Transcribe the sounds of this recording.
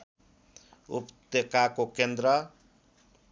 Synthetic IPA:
ṵpt̪ekakokend̪ɾʌ

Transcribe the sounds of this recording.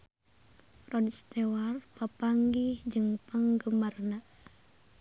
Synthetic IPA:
rɔdst̪ewarpapaŋɡihd͡ʒɨŋpəŋɡəmarna

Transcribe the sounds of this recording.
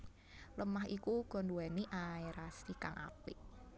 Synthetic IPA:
ləmaɦikuɡ̥ɔ̤nduwaniʔaiɾasikaŋʔa̰pɪʔ

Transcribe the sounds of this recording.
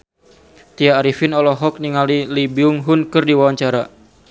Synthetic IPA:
t̪iaːɾifɪnɔlɔɦɔk̚niŋalilibiʊŋɦʊnkɨrdiwawaɲt͡ʃaɾa

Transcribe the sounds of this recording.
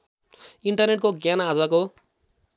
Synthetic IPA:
iɳʈʌrneʈkoɡjanad͡zako

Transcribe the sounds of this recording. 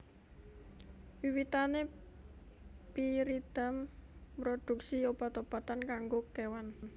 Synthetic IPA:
wiwit̪ane | piɾid̪̥a̤mpɾod̪̥ṳk̚siob̥at̪ob̥a̤t̪ankaŋɡokewan

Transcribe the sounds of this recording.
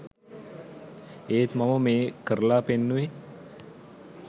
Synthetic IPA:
eːt̪maməmeːkəɾəlaːpenːuʋe

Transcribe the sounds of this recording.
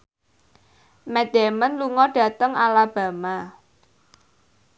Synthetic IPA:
mɛd̪̥ɛmənluŋɔɖ̥ä̤t̪əŋalab̥ä̤ma

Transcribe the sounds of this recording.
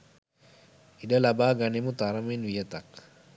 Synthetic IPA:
idalabaɡanimut̪aɾaminwijət̪ak

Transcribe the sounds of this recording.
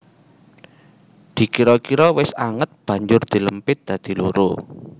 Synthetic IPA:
d̪̥i̤kiɾɔkiɾɔwɪsaŋət̪̚b̥ä̤ɲd͡ʒʊrd̪̥i̤ləmpɪt̪̚d̪̥ä̤d̪̥i̤luɾo

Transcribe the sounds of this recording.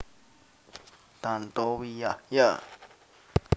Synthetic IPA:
t̪ant̪owijaja

